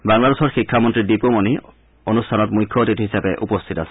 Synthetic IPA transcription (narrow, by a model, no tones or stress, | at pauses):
baŋladesɔɹxikʰːamɔntɹidipomoni | onustʰanɔtmujkʰːoot̪itɦisabɛʔupɔst̪ʰitasɛ̥